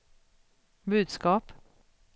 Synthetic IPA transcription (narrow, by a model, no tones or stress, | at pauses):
bʉːd̪skɑːp